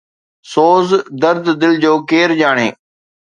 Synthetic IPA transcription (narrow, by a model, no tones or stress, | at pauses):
soːzd̪əɾd̪d̪ɪld͡ʑoːkeːɾd͡ʑaːɽ̃ḛː